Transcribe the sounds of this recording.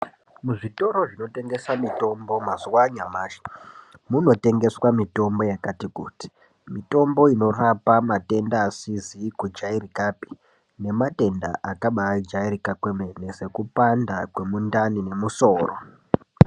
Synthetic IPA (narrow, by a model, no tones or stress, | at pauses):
muʐito̞ɾo̞ʐino̞te̞ŋɡe̞samito̞mbo̞mazuwaɲamaːʃe̥ | muno̞te̞ŋɡe̞swamito̞mbo̞jakatikṵti̥ | mito̞mbo̞ino̞rapamate̞ndaːsizikud͡ʒairikapi̥ | ne̞mate̞nda̰ʔakaɓad͡ʒaiɾikakwemenese̞kupandakwe̞mundanine̞muso̞ːro̰